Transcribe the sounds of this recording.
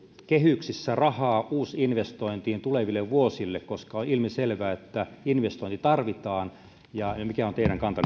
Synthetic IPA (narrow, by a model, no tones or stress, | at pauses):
kehyksisːærɑhɑːʔuːsinʋest̪oint̪iːnt̪uleʋilːeʋʋuosilːekkoskɑonilmiselʋæːet̪ːæinʋest̪oˑint̪it̪ɑrʋit̪ɑːn | jɑmikæont̪eiɾæŋkɑnt̪ɑ